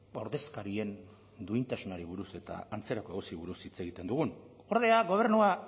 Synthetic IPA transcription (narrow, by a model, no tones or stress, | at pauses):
o̞ɾðe̞skaɾie̞n | d̪uint̪asunaɾiβuɾuse̞t̪a̰ːnt͡se̞ɾako̞eɣosiβuɾusit͡se̞ɣ̞it̪e̞nd̪uɣ̞un | o̞ɾð̞e̞aɣo̞β̞e̞ɾnua